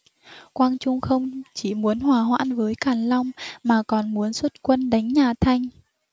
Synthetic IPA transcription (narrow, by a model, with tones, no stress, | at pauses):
kwaː˧nt͡ɕʊ˧ŋ͡mxə˧wŋ͡mt͡ɕi˧˩mu˨˦ənhwaː˧˩ɦwa̰ː˧˥nvəː˨˦jkaː˨˩nla˧wŋ͡mmaː˨˩kɔ˨˩nmu˨˦ənswə˦˥t̚kwə˧nɗa˨˦jŋ̟ɲaː˨˩t̪ʰa˧jŋ̟